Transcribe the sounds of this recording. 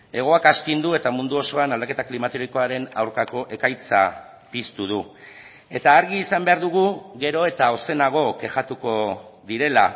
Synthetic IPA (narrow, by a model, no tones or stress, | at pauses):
e̞ɣ̞o̞akast̪ind̪ue̞t̪amund̪uo̞so̞anald̪ake̞t̪aklimat̪eɾoiko̞aɾe̞na̰wɾkako̞ʔe̞kajt͡sa̰ | pist̪uð̞u | e̞t̪aːɾɣiːsambe̞aɾðuɣ̞uɣe̞ɾo̞e̞t̪ao̞se̞naɣ̞o̞ke̞ʝat̪uko̞ðiɾe̞la